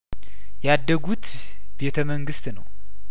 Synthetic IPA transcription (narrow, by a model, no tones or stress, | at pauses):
jad̪ːəɡut̪ | b̥e̞t̪ʰəməŋɡɨst̪nəw